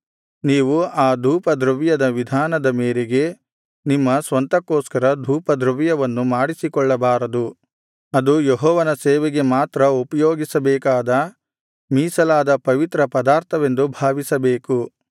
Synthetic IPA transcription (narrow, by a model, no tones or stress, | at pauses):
niːʋuaːd̪ʱuːpɐd̪ɾuʋijɐd̪ɐʋid̪ʱaːnɐd̪ɐmeːɾeɡe̞ | nimːɐsʋɐnt̪ɐkːoːskɐɾɐd̪ʱuːpɐd̪ɾɐʋijɐʋɐnːumaːɽisikɔɭːɐbaːɾɐd̪u | ɐd̪ujeɦɔːʋɐnɐsɛːʋeɡe̞maːt̪ɾɐupɐjoːɡisɐbɛːkaːd̪ɐ | miːsɐlaːd̪ɐpɐʋit̪ɾɐpɐd̪aːɾt̪ʰɐʋe̞nd̪ubʱaːʋisɐbeːku